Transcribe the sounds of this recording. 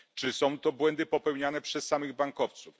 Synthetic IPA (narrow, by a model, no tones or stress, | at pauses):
t͡ʂɘsɔ̃w̃t̪ɔbwɛnd̪ɘpɔpɛwɲanɛpʂɛsːamɘɣbaŋkɔft̪suf